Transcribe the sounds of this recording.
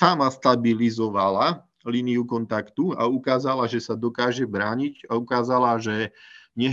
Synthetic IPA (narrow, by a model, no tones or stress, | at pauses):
amast̪abilizɔʋala | liːniukɔnt̪akt̪ua̰ukaːzalaʒɛsad̪ɔkaːʒɛbɾaːɲiɟaukaːzalaʒɛɲɛ